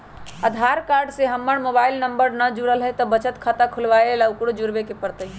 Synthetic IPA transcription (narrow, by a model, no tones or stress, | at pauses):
əd̪ʱaɾkaɾɖseɦəmːəɽmobailnəmbəɾnəd͡ʒuɽəlɦɛt̪ɔbət͡ʃət̪kʰat̪akʰulʋaelaukɽod͡ʒuɾbekepəɽt̪əi